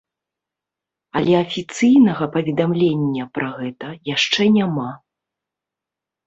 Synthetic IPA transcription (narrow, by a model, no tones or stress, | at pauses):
ɐlʲɛɐfʲit̪sɨjnɐɣɐpɐvʲɛd̪amlʲenʲːɐpɾaɣɛt̪ɐjaʂt͡ʂɛnʲama